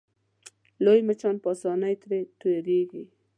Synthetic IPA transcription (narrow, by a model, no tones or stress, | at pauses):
lojmət͡ʃɑnpɑsɑnajt̪ɾet̪oɾeɡi